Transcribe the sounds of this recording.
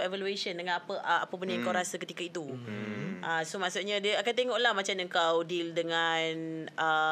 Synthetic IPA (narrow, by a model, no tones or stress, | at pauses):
evalueʃəndəŋanapəʔa̰pəpənə̃əŋkawɾasakət̪ikait̪u | ʔasomaʔsut̪̚ɲãdiəakant̪eŋɔʔlahmãt͡ʃaməŋkawdildəŋanə